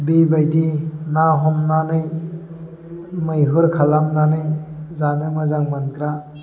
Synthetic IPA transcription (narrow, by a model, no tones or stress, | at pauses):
bibajdinaɦɔmnanɯj | mɯjɦɯɾkʰalamnanɯjzanɯmɯzaŋmankɾa